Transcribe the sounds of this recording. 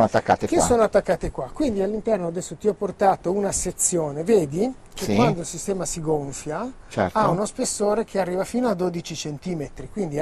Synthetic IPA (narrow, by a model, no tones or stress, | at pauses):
nat̪ːakːa̰t̪ekessːoːnoat̪ːakːaːt̪ekwakːwind̪ialːint̪ɛrnoad̪ɛsːot̪iɔpːort̪aːt̪ounaset̪sːjoːneveːd̪i | k̟ekwand̪oilsist̪ɛːmasiɡoɱfjat͡ʃɛ̰ɾtaunospesːoːɾek̟ʰearːiːvafiːnoad̪oːd̪it͡ʃit͡ʃent̪iːmet̪ɾikwind̪i